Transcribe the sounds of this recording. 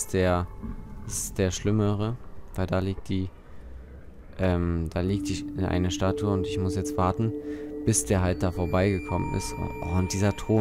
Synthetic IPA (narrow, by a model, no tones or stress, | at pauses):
sd̥eːɐd̥asɪ̥std̥eːɐʃlɪməʁəvaɪldaːliːk̚t̚d̥iː | ʔɛːmd̥aːliːk̚tɪçɪnʔa̰ɪnɐʃtaːtʰuəʊntɪçmʊsjɛt͡stv̥aːɐtn̩b̥ɪsd̥eːɐɦalt̚d̥aːfoːɐbaɪɡəkʰɔmə̰nʔɪ̰stʊntd̥iːzɐtʁ̥oː